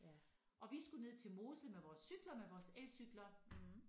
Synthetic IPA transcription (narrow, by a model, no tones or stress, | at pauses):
ʔɒ̽ʋisɡ̥une̝ð̞̰ˠt͡sʰe̝lmo̝ːsəmeʋɒːsːyɡ̥lɐmeʋɒːsel̰syɡ̥lɐ